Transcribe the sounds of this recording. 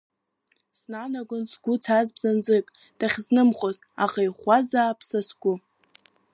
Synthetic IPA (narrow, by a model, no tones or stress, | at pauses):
snanaɡʊnsɡʷʊt͡sʰazbz̥and͡zɨkʼ | d̥aχʲznɨmχoz | aʁajχʷazaːpʰsasɡ̥ʷʊ